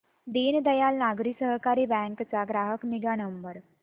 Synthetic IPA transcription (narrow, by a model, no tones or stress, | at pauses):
d̪eːnd̪ɐjaːlnaːɡɾiksəɦkaːɾibɛ̃ːŋkt͡ʃaɡɾaːɦəknɪɡanəmbəɾ